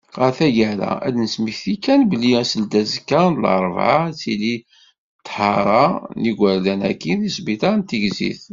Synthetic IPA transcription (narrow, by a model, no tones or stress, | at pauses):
ʁæɾθæɡæɾæ̰ʔæ̰d̪nəsmiçθikːænbəliæsəld̪æzkːænlə̰ɾˤvʕat͡sili | t̪ːħɑɾˤɑniɡʷæɾlænækːiθisbit̪ˤɑnt̪iɡzḭθ